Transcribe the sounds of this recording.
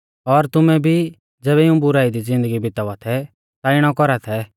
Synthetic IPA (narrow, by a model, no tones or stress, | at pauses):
ɔɾt̪ʊmɛ̃bʱi | d͡zɛːβɛɪũbʊɾaːid̪id͡zɪ̃nd̪əɡibɪt̪aʊat̪ʰɛ | t̪aɪɽ̃ɔkɔɾat̪ʰɛ